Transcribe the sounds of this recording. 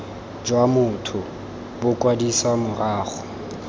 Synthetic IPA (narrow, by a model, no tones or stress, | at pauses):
d͡ʒwamʊtʰʊ | bʊkʼwadiswamʊraːχʊ